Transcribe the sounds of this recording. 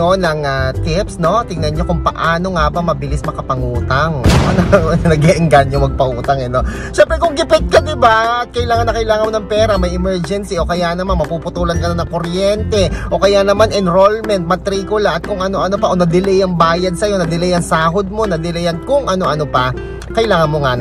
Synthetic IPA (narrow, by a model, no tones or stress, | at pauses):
onɐŋat̪ɪpsno̞t̪ɪŋnɐnɲo̞kʊŋpɐʔaːno̞ŋabɐmɐbɪlɪsmɐkɐpɐŋuːt̪ɐŋʔɐnoɐnɐɡɛʔɪŋɡanjʊŋmɐɡ̚pɐʔuːt̪ɐŋɛno̞ | ʃɛmpɾɛkʊŋɡɪpɪt̪̚kɐd̪ɪbaɐt̪̚kɐʔɪlaːŋɐnːɐkɐjlaːŋɐnmonɐŋpɛːɾɐmɐjɛmɛɹd͡ʒɛnsiʔo̞kɐjanɐmanmɐpupʊt̪uːlɐnkɐnanɐŋkoɾjɛnt̪ɛʔo̞kɐjanɐmanɛnɾolmɛnt̪̚mɐt̪ɾiːkʊlaʔɐt̪̚kʊŋʔɐno̞ʔɐno̞pɐʔonɐd̪ɪlɛjɐŋbaːjɐd̪̚sɐjo̞nɐd̪ɪlɛjɐŋsaːɦod̪̚mo̞nɐd̪ɪlɛjɐt̪̚kʊŋʔɐno̞ʔɐno̞pɐ | kɐjlaːŋɐnmoŋa